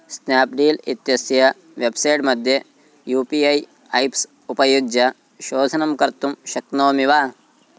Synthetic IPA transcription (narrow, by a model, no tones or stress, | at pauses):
snaːpɖiːlit̪jɐsjɐ | ʋebsɐjʈmɐd̪ʱjɐ | juːpiɐj | ɐjps | upɐjuɡjɐ | ʃoːd̪ʱɐnɐmkɐɾt̪umʃɐknoːmiʋaː